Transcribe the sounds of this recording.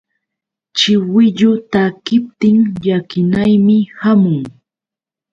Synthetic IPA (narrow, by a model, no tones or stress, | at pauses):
t͡ʃɪwɪʎʊt̪akɪp̚t̪ɪŋʎakɪnajmɪhamʊŋ